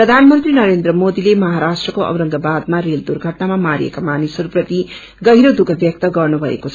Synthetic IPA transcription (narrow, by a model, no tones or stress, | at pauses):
prʌd̪ʱanmʌnt̪rinʌɾend̪rʌmod̪ilemʌɦaɾasʈrʌkoʌ̰wɾʌŋɡʌbad̪̚maɾeld̪urɡʱʌʈnamamaɾḭḛkamanisʌɾuprʌt̪i | ɡʌɦiɾod̪uɡʱʌbjʌk̚t̪ʌɡʌrnubʱʌḛkot͡sʰ